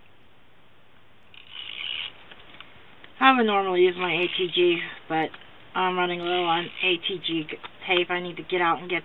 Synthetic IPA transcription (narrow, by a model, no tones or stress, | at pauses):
aɪwɨnɔɹml̩ˠijʉzmaɪeɪtʰid͡ʒib̥ʌɾ | ʔãɪ̃mɹʌ̃ñɪ̃ŋəlɪɾl̩ˠə̃neɪtʰid͡ʒitʰeɪpaɪnid̚tʰɨɡɛɾaʊɾn̩ɡɛt